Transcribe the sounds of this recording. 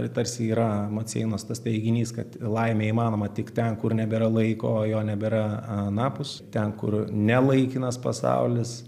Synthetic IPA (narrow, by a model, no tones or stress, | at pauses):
prʲɪt̪ɐɾʲsʲɪiːɾɐmɐt̪ʲsʲɛ̰ɪnoːst̪ɐst̪ʲɛɪɡʲɪnʲiːskɐt̪lˠɐɪmʲeːiːmɑːnoːmɐtʲɪkt̪ʲɛnkʊrnʲɛbʲɛɾɐlˠɐɪkoːjoːnʲɛbʲɛɾɐnɑːpʊst̪ʲɛnkʊ̰rnʲɛlˠɐɪkʲɪnɐspɐsɑ̰ʊlʲɪs